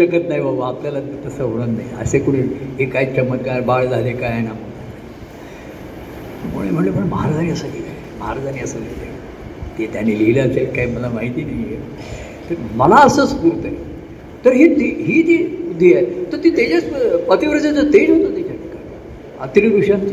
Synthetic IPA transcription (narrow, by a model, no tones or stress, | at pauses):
t͡ɕəkət̪naɦiʋəʋapljalat̪ːt̪əsəɦoɽ̃ət̪naiə̰sekoɽ̃iekait͡ɕʰəməkabaɭd͡zʱalekajnam̤əə | məmo̰ɭem̤əɳlepəɳməɦaɾad͡zaniːəsəkikaj | məɦaɾad͡zaniːəsəlilḛ | t̪et̪janiːlileəselkaɦiməlamaɦit̪iːnaije | t̪əɾməlaəsəːt͡skuɾt̪e | t̪əɾɦiːt̪iːɦiːt̪id̪ʱiajt̪əɾt̪iːt̪ad͡ʑat͡spət̪iʋəɾd͡ʑat͡sət̪ed͡ʑɦot̪ot̪it͡ɕaʈikaa | at̪ɾid̪uɕãnt͡ɕi